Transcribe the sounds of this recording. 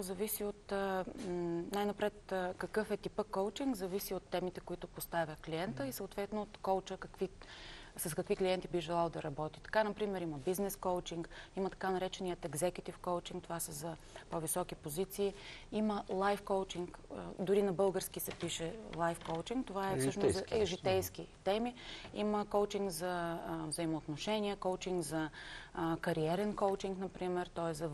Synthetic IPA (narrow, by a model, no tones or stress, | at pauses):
zɐvisiot̪ | najnɐpɾɛt̪kɐkɤfɛt̪ipəkoʊt͡ʃiŋɡzɐvisiot̪ːɛmit̪ɛkoit̪ʊpost̪avʲjəkliɛnt̪əisoot̪vɛt̪noot̪kolt͡ʃəkɐkvisɐskɐkvikliɛnt̪ibiʒɛlˠalˠd̪ɐɾɐbɔt̪i̥t̪ɐ̥kanɐpɾimɛɾimɐbiznɛskoʊt͡ʃiŋkimɐt̪ɐ̥kanɐɾɛt͡ʃɛnijət̪ɛɡzɛkʲut̪ifkowt͡ʃiŋkt̪ovasəzɐ | povisɔkipozit̪siːiməlˠajfkowt͡ʃiŋkd̪ʊɾinɐbɤlˠɡəɾsk̟isɛpiʃɛlˠajfkoʊt͡ʃiŋkt̪ovaɛfsɤʃnsɛʒit̪ɛjskit̪ɛmiḭməkowt͡ʃiŋɡzɐvzəimoːt̪noʃɛniɛkoʊt͡ʃiŋɡzɐ | kɐɾiɛɾɛnkoʊt͡ʃiŋknɐpɾimɛɾt̪ɔɛszɐ